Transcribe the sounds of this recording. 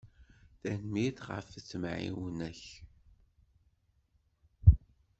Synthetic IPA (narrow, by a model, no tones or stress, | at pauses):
θænmiθʁə̰ft͡sːmʕḭwnæç